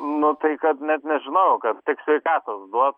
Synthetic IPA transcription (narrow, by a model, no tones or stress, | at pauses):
nʊt̪ɐɪkɐt̪nʲɛt̪nʲɛʒʲɪnɐʊkɐt̪t̪ʲɪksʲʋʲɛɪkɑːt̪oːsd̪uɔt